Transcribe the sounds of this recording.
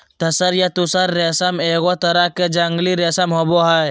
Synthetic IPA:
t̪ɐsəɾjat̪ʊsəɾːeːsameːɣot̪ɐɾaked͡ʒɐŋɡliɾeːsamɦoboɦaj

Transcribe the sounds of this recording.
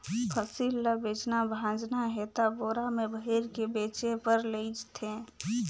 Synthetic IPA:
kʰəsilːəbeːt͡ʃnabʱãd͡ʒnaɦet̪aboːɾamẽbʱəɦiɾkebeːt͡ʃepəɾleid͡ʒt̪ʰẽ

